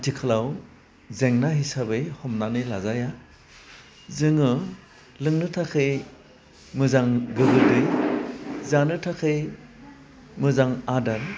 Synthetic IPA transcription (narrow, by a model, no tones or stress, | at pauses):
tʰikʰɯlaw | zeŋnaɦisabɯjhɔmnanɯjlazaja | zɯŋɯ | lɯŋnɯtʰakʰɯj | mɯzaŋɡɯɡɯldɯj | zanɯtʰakʰɯj | mɯzaŋadan